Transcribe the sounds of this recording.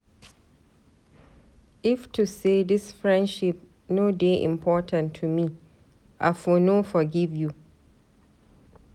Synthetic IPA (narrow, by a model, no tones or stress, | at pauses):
ʔɪftuseːdɪsfɹɛ̃ndʃɪp̚ | noːdeːʔɪ̰̃mpʰɔːtʰãntʰːumiː | ʔafonofɔɡɪvju